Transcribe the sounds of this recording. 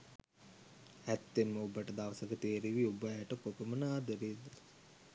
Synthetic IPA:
æt̪ːemːəubəʈəd̪aʋəsəkət̪eːɾiʋiubəʈəpopəmənaːd̪əɾid̪

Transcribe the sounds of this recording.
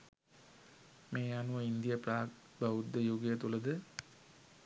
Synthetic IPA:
meːanuʋəind̪ijəpraː | baʋud̪ːəjoːɡijət̪uləd̪ə

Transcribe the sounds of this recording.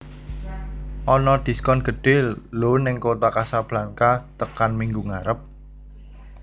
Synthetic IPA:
ʔɔnɔd̪̥i̤skɔnɡ̥ə̤ɖ̥e̤lonɪŋkot̪akasab̥laŋkat̪əkanmiŋɡuŋaɾəp̚

